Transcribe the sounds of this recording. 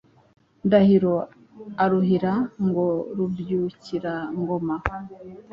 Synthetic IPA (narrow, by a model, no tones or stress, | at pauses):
ndahiɾo | aɾuɦiɾaŋɡo̞ɾuvjuːciɾaŋɡo̞ma